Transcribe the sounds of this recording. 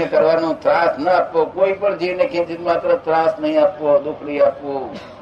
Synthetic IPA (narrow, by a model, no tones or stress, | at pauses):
ẽkəɾʋanũt̪ɾãsnəapʋokoipəɳd͡ʒiʋnekʰẽt͡ʃinmat̪ɾət̪ɾãsnəɦĩapʋod̪ʊkʰɽiapʋo